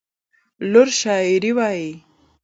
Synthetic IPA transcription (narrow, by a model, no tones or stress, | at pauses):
lʊɾʃɑːiɾiwɑji